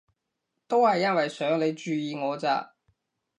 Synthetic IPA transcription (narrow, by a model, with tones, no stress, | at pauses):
t̪o˥whɐ˨jːɐ˥nwɐ˨jsœː˨˥ŋle˨˧jt͡ʃyː˨˧jiː˨ŋɔː˨˧t͡sa̰ː˧˩